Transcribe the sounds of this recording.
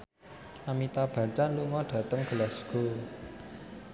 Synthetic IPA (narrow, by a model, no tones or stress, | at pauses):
amit̪ab̥ä̤t͡ʃanluŋɔɖ̥ä̤t̪əŋɡ̥əlasɡ̥o̤